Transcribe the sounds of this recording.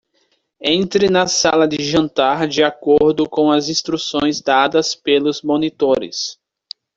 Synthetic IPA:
ẽnt̪ɾɪnɐsalɐd̪ɪʒɐ̃nt̪aɾd͡ʒɪakoɾd̪ʊkõw̃ɐzĩst̪ɾusõj̃zd̪ad̪ɐspelʊzmõnit̪oɾɪ̰s

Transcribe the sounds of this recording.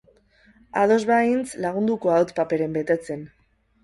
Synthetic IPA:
aðo̞zβaint͡slaɣ̞und̪ukoawt̪pape̞ɾembe̞t̪e̞t͡se̞n

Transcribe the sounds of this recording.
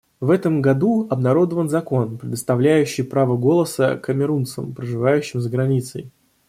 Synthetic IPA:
vɛt̪əmɡɐd̪uɐbnɐɾo̞d̪əvənzɐko̞npɾʲɪd̪əst̪ɐvlʲæjʉɕːɪjpɾavəɡo̞lˠəsəkəmʲɪɾunt̪sə̰mpɾəʐɨvajʉɕːɪmzəɡɾɐnʲit̪sə̰j

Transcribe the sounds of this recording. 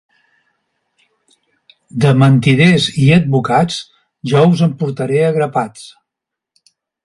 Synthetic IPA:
d̪əmənt̪iðeziəd̪̚βukad͡z | ʒɔuzəmpuɾt̪əɾeəɣɾəpat͡s

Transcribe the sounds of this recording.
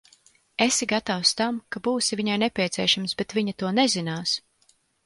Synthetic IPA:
esiɡat̪awst̪amkabuːsiviɲajnɛpʲiɛt̪sʲiɛʃamsbɛt̪vʲiɲat̪uɔnɛzinaːs

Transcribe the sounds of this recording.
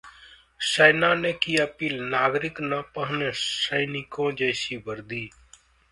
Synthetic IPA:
səɪnãːneːkiːəpiːlnaːɡɾɪknapəɦneːsəɪnɪkõːd͡ʒəːsiːbəɾd̪iː

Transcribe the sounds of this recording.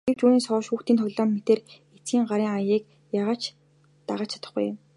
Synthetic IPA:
ɡ̥ew̥t͡ɕuːniːŋsɔːʃxuːxt̪iːnt̪ʰɔɣʲɮɔːmmet̪eːr | et͡sɡiːŋɢaɾiːŋajiːk | jaʁaːt͡ɕ | t̪aʁaːt͡ɕʰḁt̪ə̆χɡṵj

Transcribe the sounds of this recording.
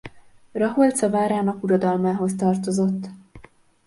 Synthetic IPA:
rɒɦolt̪sɒvaːɾaːnɒkuɾɒd̪ɒlmaːɦo̞st̪ɒrt̪o̞zo̞t̪ː

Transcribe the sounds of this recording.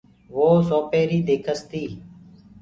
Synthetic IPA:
ʋoːsoːpeːɾiːd̪eːkʰəst̪iː

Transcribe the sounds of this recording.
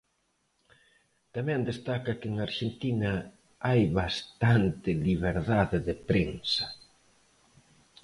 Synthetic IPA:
t̪amɛ̃nd̪est̪akɐkɪeŋaɾʃent̪inɐ | ajβast̪ant̪ɪliβeɾðaðɪðɪpɾeŋsɐ̥

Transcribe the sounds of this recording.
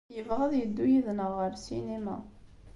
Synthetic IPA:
jəvʁæðˤjəd̪ːujiðnəʁːəɾsinimæ̰

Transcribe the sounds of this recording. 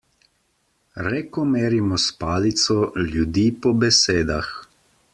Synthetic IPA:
ɾɛkɔmeːɾimɔspaːlit̪sɔljud̪iːpɔbɛseːd̪ax

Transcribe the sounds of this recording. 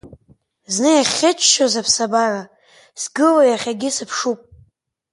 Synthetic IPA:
znɨjaχʲɪt͡ʃʰʃozapʰsabara | sɡɨlojaχʲaɡʲɪsɨpʰʂupʼ

